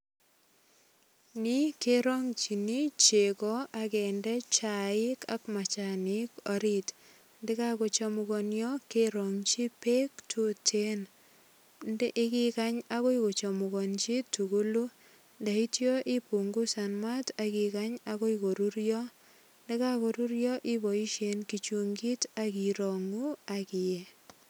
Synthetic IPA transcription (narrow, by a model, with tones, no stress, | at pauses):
ni˦ke˦ɾɔ˦ŋt͡ʃi˨ni˦t͡ʃe˨kɔ˦a˨kɛ˨ndɛ˦t͡ʃa˨ɪ˦ka̰˦kma˨t͡ʃa˨nɪkɔ˨ɾit | ndɪ˦ka˦ko˨t͡ʃɔmuɡɔ˨njɔ˦keɾɔ˨ŋt͡ʃi˦pe˦ktʰu˦tʰe˦n | ndʔɪ˦kɪ˦ka˦ɲa˦ko˦i˦ko˨t͡ʃɔ˨mʊ˨kɔ˨nt͡ʃi˦tu˨ɡu˦lu˦ | nda˨i˦tjo˦ʔɪ˦pu˨ŋɡu˦sa˨nma˦ta˨kɪ˨ka˦ɲa˦ko˦i˨ko˨ɾu˦ɾjɔ˦ | ndɪ˦ka˦ko˨ɾu˦ɾjɔ˦ʔɪ˦bɔ˨i˦ʃe˨nki˨t͡ʃu˨ŋɡi˦ta˦ki˨ɾo˨ŋu˦akɪ˨je˨